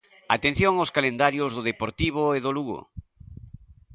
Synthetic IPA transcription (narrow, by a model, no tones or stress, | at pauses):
a̰t̪ẽn̟θjoŋoskalend̪aɾjʊzðʊðepoɾt̪iβ̞oeðʊluɣo̰